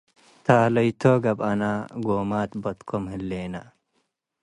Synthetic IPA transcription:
t̪ʰaːlɐjt̪ʰoːɡɐbɐnaːɡoːmaːt̪bɐt̪kʰomhɨlːeːnɐ

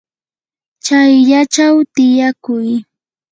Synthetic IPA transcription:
t͡ʃajʎat͡ʃawt̪ɪjakʊj

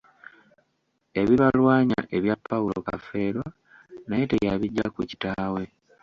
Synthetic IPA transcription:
e̞βiβalwaːɲa̰ʔe̞βjapʰːaulo̞̰ka̰fe̞ːɾo | najetejaβiɟːakuci̥taːwe̞

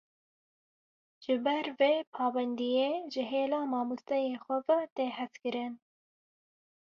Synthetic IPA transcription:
ʒ̥ɨbɛɾveːpʰɑːbɛnd̪ijeːʒɨɦeːlɑːmɑːmust̪ɛjeːxʷɛvɛt̪eːhɛskɨɾɨn

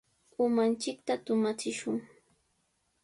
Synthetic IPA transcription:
ʊmant͡ʃɪk̚t̪at̪ʊmat͡sɪʃʊŋ

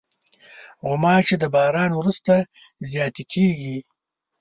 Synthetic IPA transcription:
ɣʊmɑt͡ʃed̪əbɑːɾɑːnwɾust̪a | zjɑːt̪ekʰeːɡi

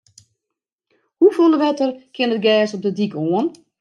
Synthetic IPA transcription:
hufulˠdəʋɛtərkʰɪənət̚ɡɛːsɔp̚dədikoən

